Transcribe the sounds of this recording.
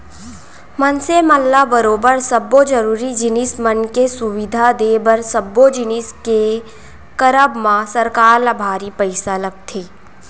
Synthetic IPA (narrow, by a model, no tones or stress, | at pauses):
mənseməlːabəɾoːbəɾsɐbːod͡ʒəɾuːɾid͡ʒɪnɪsmənkesʊʋɪd̪ʱad̪eːbəɾsəbːod͡ʒɪnɪske | kəɾəbmãsɐɾkaːɾlabʱaːɾipəɪsalɐɡ̚t̪ʰeː